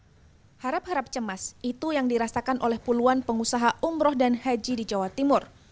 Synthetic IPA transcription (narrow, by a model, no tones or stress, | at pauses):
haɾap̚haɾap̚t͡ʃəmasit̪ujaŋdiɾasakanʔolɛhpuluanpəŋusaɦaʔumɾɔhdanhad͡ʒidid͡ʒawat̪imʊr